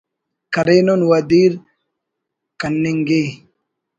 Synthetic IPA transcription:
kɐɾenɔnwɐd̪iːɾ | kɐnːɪŋɡeː

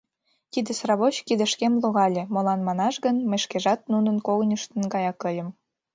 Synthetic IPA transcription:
t̪id̪esrɑβot͡ɕkid̪ə̆ʃkemloɣɑlʲemolɑnmɑnɑʃɣənməjʃkeʒɑt̪̚nunənkoɣnʲəʃt̪ə̆nɡɑjɑkɤjə̆m

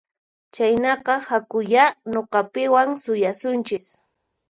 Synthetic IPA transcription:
t͡ʃajnɑqɑhakʊjanoqɑpɪwaŋsʊjasʊnt͡ʃɪk

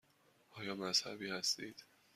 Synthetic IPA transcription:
ʔɒːjɒːmæzhæ̰biːhæst̪iːd̪̥

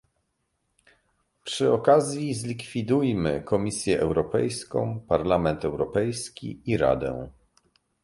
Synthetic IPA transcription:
pʂɘɔkazʲjizlʲikfʲid̪ujmɘkʰɔmʲisʲjɛʔɛwɾɔpɛ̰jskɔ̰̃w̃paɾlamɛnt̪ɛwɾɔpɛjskʲḭiɾa̰d̪ɛ̰̃

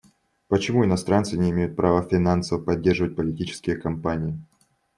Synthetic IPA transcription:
pət͡ɕɪmuɪnɐst̪ɾant̪sɨnʲɪɪmʲejʊt̪̚pɾʔavəfʲɪnansəvpɐdʲːe̞rʐɨvət̚ʲpəlʲɪtʲit͡ɕɪ̥skʲɪjəkɐmpanʲɪɪ

